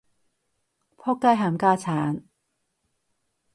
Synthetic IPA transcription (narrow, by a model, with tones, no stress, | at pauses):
pʰɔː˥kːa˥jɦaː˧˩mkaː˥t͡sʰaː˨˥n